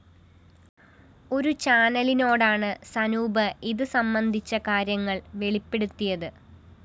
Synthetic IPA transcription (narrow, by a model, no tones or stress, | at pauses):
o̞ɾut͡ɕaːnɐlino̞ːɽaːɳɨsɐnuːbɐiðɨsɐmbɐnd̪ʱit͡ɕːɐkaːɾjɐŋːɐɭʋe̞ɭipːe̞ɽut̪ːijɐðɨ